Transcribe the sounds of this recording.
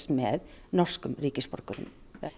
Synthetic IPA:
smḛːðnɔʃkəmɾiːkəspɔ̰ɾkəɾʊ̰m

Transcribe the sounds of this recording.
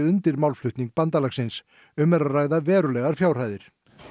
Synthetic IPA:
ʏnt̪ɪɾmawlflʏht̪niŋk̚pant̪alaxsɪns | ʏmɛɾaðraːjɣðavɛːɾʏlɛɣaɾ̥fjawr̥aːjðɪɾ̥

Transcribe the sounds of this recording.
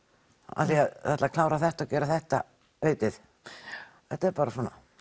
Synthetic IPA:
a̰θiaðθat̪lakʰlaːwɾaθɛht̪awcɛːɾaθɛht̪a̰ | eːɥt̪ɪθ | θɛht̪aɛɾpaːɾasɔna̰

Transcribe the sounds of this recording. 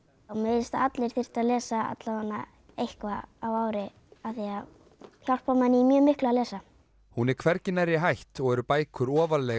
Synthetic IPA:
ɔmeɪst̪aat̪lɪɾ̥θɪr̥t̪alɛːsaa̰t̪laanːa̰ | ejhkvaawaːwɾɪ | aθia | çawl̥pamanːɪimjœːmɪhklalɛːsa | hunɛɾkʰvɛɾcɪnɛɾjɪɦajht̪ɔɣɛɾʏpaːjkʰʏɾɔːvalɛ

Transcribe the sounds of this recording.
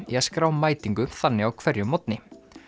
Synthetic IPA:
iaskɾaːwmaːjt̪iŋkʏmθanːɪawkʰv̥ɛɾjʏmːɔt̪̚nɪ

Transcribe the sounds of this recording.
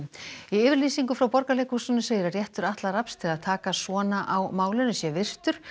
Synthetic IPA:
iʏːvɪɾliːsiŋkʏfɾawpɔɾkaleːjkusʏnʏseːjɪɾarjɛht̪ʏɾaht̪larapst̪ʰɪlaðt̪ʰaːkasvɔːnaʔawmaːwlɪnʏsjɛvɪr̥t̪ʏɾ̥

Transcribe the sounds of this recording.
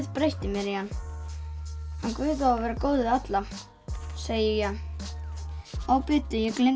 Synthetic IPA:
ðpɾejht̪ɪmjɛɾihanː | hankvɪːðawavɛːɾakoːwðɪat̪la | seːjɪjɛan | aːwpɪːt̪ʏjɛklɪ

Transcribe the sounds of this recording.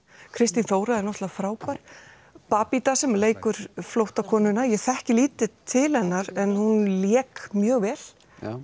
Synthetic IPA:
kʰɾɪst̪inθoːwɾaðɛɾnɔht̪lafɾaːwpaɾ̥ | paːpit̪asɛmleːjkʏɾ̥flowht̪akʰɔːnʏnajɛɣθɛhcɪliːt̪ɪt̪ʰɪlhɛnːaɾɛnhunljɛːkmjœːɣvɛːl̥

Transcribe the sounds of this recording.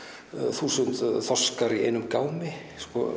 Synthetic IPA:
θuːsʏnt̪θɔskaɾiḛjnʏmkaːwmɪ | skɔ

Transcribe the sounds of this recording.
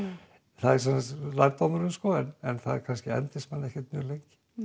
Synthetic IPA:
θaðɛɾsɛnsast̪la̰jɾt̪amʏɾʏmskɔɛnɛnθaðɛ̰ɾkʰanscɪɛ̰nt̪ɪsmanɛhcɛt̪̚mʏɾlejŋcɪ̥

